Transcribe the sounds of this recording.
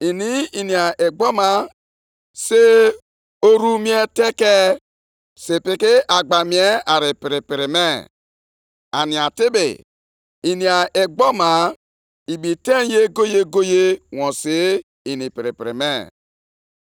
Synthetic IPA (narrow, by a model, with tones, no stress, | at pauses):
i˨ni˦i˨ni˨a˨ʔe˨ɡ͡bɔ˦ma˦ | se˦ | o˦ɾu˦mi˦e˦te˦ke˦ | se˨pi˨kɪ˦a˨ɡ͡ba˨mi˨˦e˦a˨ɾɪ˨pɪ˨ɾɪ˨pɪ˨ɾɪ˨me˦˨ | a˨ni˨a˨tɪ˦bɪ̰˨ | i˨ni˨a˨e˨ɡ͡bɔ˦ma˨ | i˨bi˨te˦n˦je˦ɡo˦je˦ɡo˦je˦wɔ̃˨se˨˦ | i˨ni˨pi˨ɾḭ˨pḭ˨ɾḭ˨me˦˨